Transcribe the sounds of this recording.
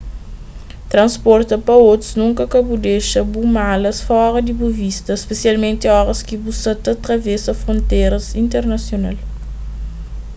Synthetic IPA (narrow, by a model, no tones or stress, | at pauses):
t̪ɾɐ̃nspɔɾt̪ɐpɐot̪ɾu̥znũŋkɐkɐbud̪eʃɐbumalɐsfɔɾɐd̪ibuvist̪ɐspesialmẽnt̪iɔɾɐskibusɐt̪ɐt̪ɾɐvɛsɐfɾõnt̪eɾɐsĩnt̪eɾnɐsjona̰l